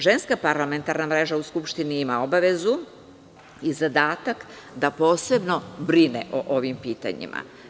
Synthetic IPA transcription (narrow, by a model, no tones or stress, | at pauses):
ʒe̞nskapaɾlame̞nt̪aɾnamɾe̞ʒauskupʃt̪iniimao̞baʋe̞zu | izad̪aːt̪akd̪apo̞ːse̞bno̞bɾinḛʔoʔo̞ʋimpiːt̪a̰ɲḭma̰